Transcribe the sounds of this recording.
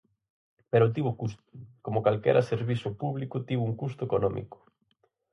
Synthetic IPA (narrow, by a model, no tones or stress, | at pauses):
peɾʊt̪̬iβokust̪ʊ̥komʊkalkɛ̰ɾʔɐseɾβisʊpuβlikʊt̪iβʊuŋkust̪ʊekonɔmḭkʊ̥